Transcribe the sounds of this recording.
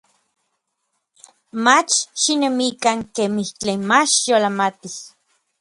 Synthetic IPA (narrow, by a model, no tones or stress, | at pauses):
mat͡ʃʃinemikaŋkemiht͡ɬenmat͡ʃjolamat̪i